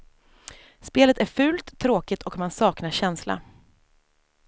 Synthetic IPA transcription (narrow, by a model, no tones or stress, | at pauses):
speːlət̪æɾfʉ̟ːlt̪ʰːɾoːkɪt̪ʰɔkmansɑːknaɕɛnsla̰